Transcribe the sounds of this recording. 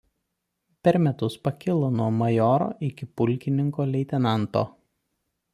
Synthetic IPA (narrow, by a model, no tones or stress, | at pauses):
pʲɛɾmʲɛt̪ʊspɐkʲɪlˠoːnuɔmɐjɔːɾo̰ːʔɪkʲɪpʊlʲkʲɪnʲɪŋkoːlʲɛɪt̪ʲɛnɑˑnt̪o̰ː